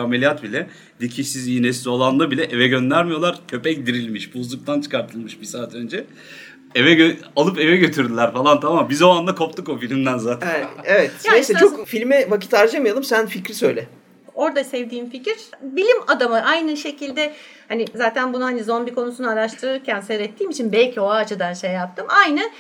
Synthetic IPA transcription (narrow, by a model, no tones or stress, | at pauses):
amelʲijat̪bilʲɛ | d̪icʰiʃsiziːnɛslʲio̞lˠanlˠabilʲɛʔevɛɟø̞nd̪æɾmijo̞lˠaɾcʰø̞pɛc̚d̪iɾilʲmiʃbuzlˠuk̚t̪ʰant͡ʃʰɯ̥kaɾt̪ʰɯlˠmɯʃbisaːt̪ʰø̞nd͡ʒɛ | evɛøalˠɯpe̞vɛɟø̞t̪ʰyɾd̪ilʲæɾfalˠant̪ʰamambizo̞and̪akʰo̞p̚t̪ɯko̞filʲimd̪ænzaːt̪ʰnnevɛt̪jɛɛt͡ʃʰokfilʲmɛvaki̥t̪aɾd͡ʒamɯjalˠɯmsænficɾisøjlʲɛ | o̞ɾd̪asɛvd̪iːnficiɾbilʲimad̪amaʔajnɯʃe̞cilʲd̪ɛ | hanizaːt̪ʰænbunuhanizo̞nbikʰo̞nusunuaɾaʃt̪ʰɯɾɯɾcʰænseɾɛt̪ʰːiːmit͡ʃʰinbɛlʲcʰio̞aːt͡ʃʰɯd̪anʃejːap̚t̪ʰɯmajnɯ